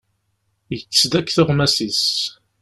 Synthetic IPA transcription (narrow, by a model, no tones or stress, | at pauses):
jət͡sːsd̪ækːθəʁmæsis